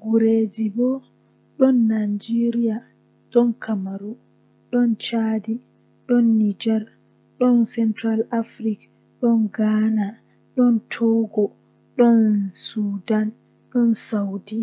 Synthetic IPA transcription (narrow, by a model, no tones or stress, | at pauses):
ɡuɾed͡ʒibɔ | ɗɔnːad͡ʒiɾija | ɗɔnkʰamaɾu | ɗɔnt͡ʃadi | ɗɔnːid͡ʒɛɾ | ɗɔnsɛntɾalafɾik | ɗɔnɡaːna | ɗɔntʰɔɡɔ | ɗɔnsudan | ɗɔnsawdi